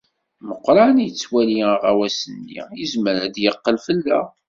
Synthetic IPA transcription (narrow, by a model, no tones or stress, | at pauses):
məqːɾˤɑnjət͡sːwæliəʁawæsənːḭjəzməɾæd̪jəqːəlfəlːæ